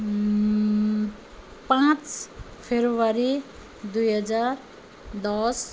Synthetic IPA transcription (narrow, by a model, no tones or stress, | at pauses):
pãt͡s | pʰeɾuʋaɾi | d̪ujɦʌd͡zaɾ | d̪ɔs